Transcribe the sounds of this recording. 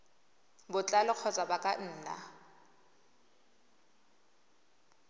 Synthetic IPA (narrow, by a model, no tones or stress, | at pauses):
bʊt͡ɬʼalɔk͡xʰɔt͡sʼabakʼan̩ːna̰